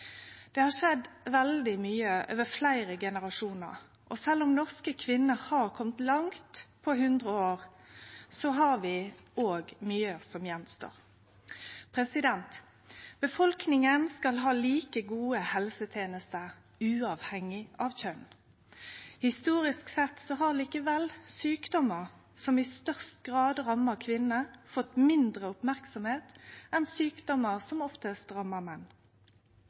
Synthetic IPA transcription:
d̪̥ɛːhɑʂɛd̪ʋɛld̪ɪmyːəʔø̰ːʋəflæɪʁəɡɛnəʁɑʂuːnə̰ʁ | ʔɔsɛlːʊmnɔʁskəkʰʋɪnːəhɑʁkʰɔmt̪lɑŋt̪pʰɔhʉnd̪ʁəoːʁ | sɔɦɑʁʋɪoːɡmyːəsɔmjɛnst̪o̰ːʁ | pʰʁɛsɪd̪ɛnt̪ | b̥əfɔlknɪŋənskɑlɦɑːliːkəɡuːəhɛlsət̪ʰeːnəst̪əʁ | ʉːɑːʋhɛŋɪɑːʋçœn | hɪst̪uːʁɪsksɛt̪sɔɦɑʁliːkəʋɛlsyːkd̪ɔməʁ | sɔmɪst̪œʁst̪̚ɡʁɑːd̪ʁɑməkʰʋɪnəfɔt̪mɪnd̪ʁəʊpmæʁksɔmheːt̪ɛnsyːkd̪ɔməʁsɔmɔft̪əst̪ʁɑmːəmɛnː

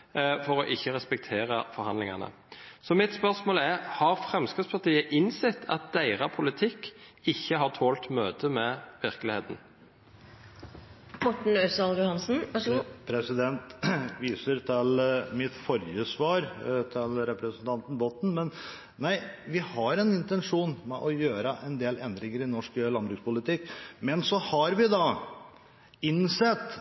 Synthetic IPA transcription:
fɔɾɔʔɪçːəʁɛspɛkt̪ʰeːʁəfɔɾhɑnlɪŋɑnə̰ | sɔmɪt̪spœʁsmoːlæʁhɑʁfʁɛmskɪspʰɑʁt̪iːəʔɪnsɛt̪ʰːɑ̰t̪̚d̪̥æɪʁɑpʰʊlɪt̪ʰɪkːɪçːəhɑʁt̪ʰoːlt̪møːt̪əmɛʋɪʁkəlɪheːt̪n̩ | mɔʈɳ̩øsɑljʊhɑnsn̩pʰɾɛsɪd̪ɛnt̪ʋiːsəɾt̪ʰɪlmɪt̪fɔɾjəsʋɑːɾt̪ʰɪlɾɛpɾəsənt̪ʰɑnt̪n̩bɔt̪n̩mɛn | næɪʋɪhɑɾɛnɪnt̪ɛnʂuːnmɛʔɔjøːɾəʔɛnd̪eːlɛnd̪ɾɪŋəɾɪnɔʂklɑnbɾʉkspʊlɪt̪ɪkːmɛnsɔhɑɾʋɪd̪ɑ | ɪnsɛt̪ː

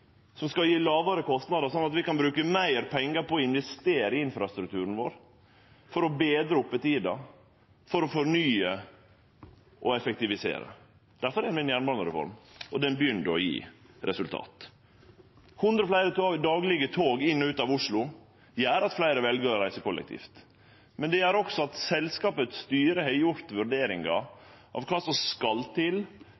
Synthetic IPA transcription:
sɔmskɑljiːlɑːʋəɾəkʰɔst̪nɑd̪əʂɔnːɑt̪ʋɪkɑnbɾʉːkəmæɪɾpʰɛŋːəɾpɔɔɪnʋɛst̪eːɾəɪɪnfɾɑst̪ɾʉk̚t̪ʰʉːɾən̩ʋo̰ːɾ | fɔɾɔbeːd̪ɾəʊpːət̪iːd̪ɑ | fɔɾɔfɔɾɳyːə | ʔɔɛfɛk̚t̪ɪʋɪsḛːɾə̰ | d̪̥æɾfɔɾɛnʋɪɛnjæːɳbɑɳəɾɛfɔ̰ɾmʔɔd̪ɛnbəjʏnd̪əɔjḭː | ɾɛsʉlt̪ʰɑ̰ːt̪ | hʊnd̪ɾəɔflæɪɾət̪ːd̪ɑːɡlɪɡət̪ʰoːɡɪnːɔʉːt̪ɑːʋʊʂlʊ | jæːɾɑt̪flæɪɾəʋɛlɡəɾɔɾæɪsəkʰɔlʔɛ̰k̚t̪ʰḭːft̪ | mɛnd̪ɛjæːɾɔksɔɑt̪sɛlskɑːpət̪st̪yːɾəhœʏʊɾt̪ʋʉɾɖ̪eːɾɪŋɡɑ | ʔɑ̰ʋkʰɑːsɔmskɑlt̪ʰɪl

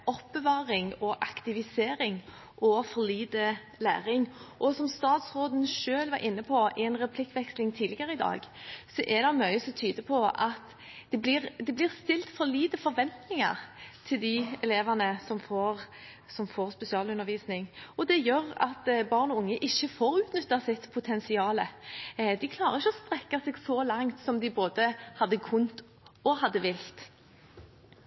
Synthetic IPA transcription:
ʔɔpːəʋɑːʁɪŋɔʔɑkt̪ɪʋɪseːɾɪŋ | ʔɔfɔɾliːd̪ə | læ̰ːʁɪŋʔɔsɔmst̪ɑːt̪sʁoːd̪ənʃøːlʋɑɾʔɪnːəpʰɔɛnɾɛpʰlɪkːʋɛkslɪŋt̪ʰiːd̪lɪɡəɾəɪd̪ɑ̰ːɡsɔʔɛd̪ɑmœʏəsɔt̪ʰyːd̪əpʰɔɑt̪ | d̪̥ɛblɪʁd̪ɛblɪʁst̪ɪlt̪fɔɾliːt̪əfɔɾʋɛnt̪nɪŋɑ̰ʁt̪ʰɪld̪ɪɛleːʋɑnəsɔmfoːʁ | sɔmfoːʁspɛsɪɑːlʉnːəɾʋiːsnɪŋɔd̪ɛjœʁɑ̰t̪bɑːʁnɔʊŋːəʔɪçːəfoːɾʉːt̪nʏt̪ːɑsɪt̪pʰʊt̪ʰɛnsɪɑːləd̪ɪkʰlɑːɾəʁɪçːəɔst̪ɾɛkːɑseːɡsɔlɑŋt̪sɔmd̪ɪboːd̪əhɑd̪ːəkʰʊnt̪ | ɔhɑd̪ːəʋɪlt̪

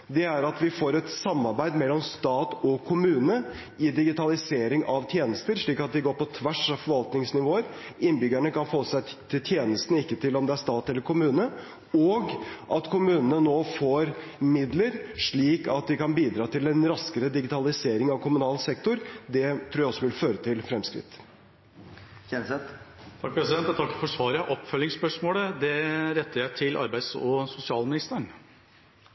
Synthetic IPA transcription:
d̪ɛæɾɑt̪ʋɪfoːɾɛt̪sɑmːɑɾbæɪd̪mɛlːɔmst̪ɑːt̪ɔkʰʊmʉːnə | ɪd̪ɪɡɪt̪ɑlɪseːɾɪŋʔɑʋt̪ʰjeːnəst̪əɾʂɭiːkɑt̪̚d̪ɪɡoːpɔt̪ʰʋæʂɑʋfɔɾʋɑlt̪nɪŋsnɪʋoːəɾɪnbʏɡæɳəkɑnfoːsæɪt̪ʰɪlt̪ʰjeːnəst̪nəɪkːət̪ʰɪlɔmd̪ɛæɾʂt̪ɑːt̪ɛlːəɾkʰʊmʉːnə | ɔɡʔɑt̪kʰʊmʉːnənənoːfoːɾ | mɪd̪ləɾʂɭiːkɑt̪̚d̪ɪkɑnbiːd̪ɾɑːt̪ʰɪlɛnɾɑskəɾəd̪ɪɡɪt̪ʰɑlɪseːɾɪŋɑʋkʰʊmʉnɑːlsɛk̚t̪ʊɾd̪ɛt̪ʰɾuːɾjæɪɔsɔʋɪlføːɾət̪ʰɪlfɾɛmskɾɪ̰t̪ː | ɛsɛt̪ | t̪ʰɑk̚pʰɾɛsɪd̪ɛnt̪ʰɑkːfɔʂʋɑːɾjæʔɔpːfœlːɪŋspœʂmoːləd̪ɛɾɛt̪ːəɾjæɪt̪ʰɪlɑ̰ɾbæɪsɔsʊsɪɑːlmɪnɪst̪əɳ

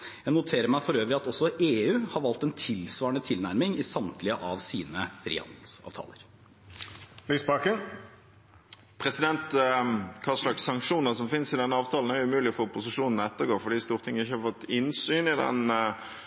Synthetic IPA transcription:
jæɪnʊt̪ʰeːɾəɾmæɪfɔɾøːʋəɾɪɑt̪ɔsːɔʔeːʉːhɑɾʋɑlt̪ɛnt̪ʰɪlsʋɑːəɳət̪ʰɪlnæɾmɪŋɪsɑmt̪ʰlɪəʔɑʋsḭːnəfɾḭːhɑ̰nd̪əl̩sɑ̰ːʋt̪ʰɑ̰ːləɾ | lyːsbɑkən | pʰʁɛsɪd̪ɛnt̪kʰɑslɑksːɑŋkʂuːnəʁsɔmfɪnsɪd̪ɛnːəɑːʋt̪ʰɑːln̩æɾjʊmʉːlɪɔfoːpʰʊsɪʂuːnn̩ɔɛt̪ːəɡoːfɔɖiːst̪uːʁt̪ʰɪŋːəɪçːəhɑɾfɔt̪ːɪnsyːnɪd̪ɛ̰n

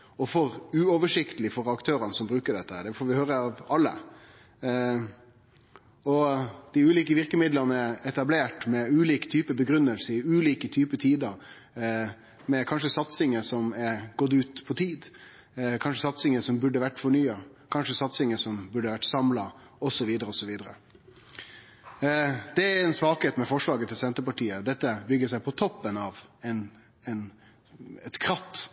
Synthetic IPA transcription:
ɔfɔɾʉːɔʋəʂɪkt̪əlɪfɔɾɑkt̪ʰøːɾənəsɔmbɾʉːkəɖɛt̪ːəhæːɖ̪ɛfoːɾʋɪhøːɾəɑʋɑlːə̰ | ɔd̪̥ɪʉːliːkəʋɪɾkəmɪd̪lənəɛɛt̪ɑbleːʈmɛʉːliːkt̪ʰyːpəbəɡɾʉnːəlsəɪʉːliːkət̪ʰyːpət̪ʰiːd̪əɾ | mɛkʰɑnʂəsɑt̪sɪŋəsɔmɛɾɡɔt̪ːʉːt̪pʰɔt̪ʰiːd̪ | kʰɑnʂəsɑt̪sɪŋəsɔmbʉɖːəʋæʈːfɔɳyːɑkʰɑnʂəsɑt̪sɪŋəsɔmbʉɖːəʋæʈːsɑmlɑ | ɔsɔʋiːd̪əɾəɔsɔʋiːd̪əɾə̰ | d̪̥ɛæɾɛnsʋɑːkheːt̪mɛfɔʂɭɑːɡət̪ʰɪlsɛnt̪əɾpɑʈiːəd̪ɛt̪ːəbʏɡəsæɪpʰɔt̪ʰɔpːənɑʋɛn | ɛn | ɛt̪kʰɾɑt̪ː

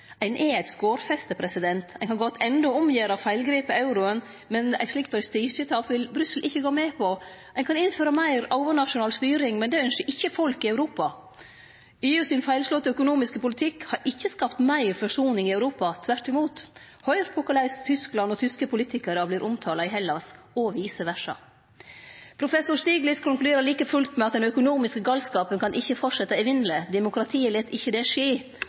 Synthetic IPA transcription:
æɪnʔɛæɪt̪skoːɾfɛst̪əpʰɾɛsɪd̪ɛnt̪æɪŋkɑnɡɔt̪ːɛnd̪ɔʊmjeːɾɑfæɪlɡɾiːpəɑʉɾʊən | mɛnæ̰ɪt̪slɪk̚t̪bɔɾst̪iːʃət̪ʰɑfʋɪlbɾʏsəl̩ʔɪçːəɡoːmɛpʰɔ | æɪnkʰɑnɪnføːɾɑmæɪɾɑʊʋənɑʂʊnɑːlst̪yːɾɪŋmɛnd̪ɛœnʃəɾʔɪçːəfɔlkɪæʉɾuːpɑ | eːʉsɪnfæɪlslɔt̪ɔœkʊnuːmɪskəpʊlɪt̪ʰɪkhɑɾʔɪçːəskɑpt̪mæɪɾfɔʂuːnɪŋɪæʉɾuːpɑt̪ʰʋæɾʈɪmuːt̪ | hœʏɾpʰʊkɑlæɪst̪ʰʏsklɑnɔt̪ʰʏskəpʊliːt̪ɪkəɾəbliːɾʔʊmt̪ʰɑːlɑɪɦɛlːɑs | ɔʋiːsəʋæʂɑ̰ | pʰɾʊfɛsːʊɾʂt̪iːɡlɪskʰʊŋkld̪eːɾəliːkəfʉlt̪mɛɑt̪̚d̪ɛnœkʊnuːmɪskəɡɑlskɑːpənkʰɑnʔɪçːəfɔʈʂɛt̪ːɑɪʋɪnləd̪ɛmʊkʰɾɑt̪ʰiːəlɛt̪ːɪçːəd̪ɛʂeː

